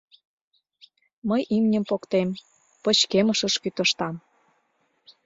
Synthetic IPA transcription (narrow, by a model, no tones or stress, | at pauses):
məjʔimnʲə̆mpokt̪em | pə̆t͡ɕkeməʃə̆ʃkyt̪ə̆ʃt̪ɑm